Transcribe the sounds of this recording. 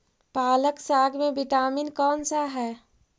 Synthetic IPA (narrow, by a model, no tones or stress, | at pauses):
paːləksaːɡmẽbɪʈaːminkɔːnsaɦɛː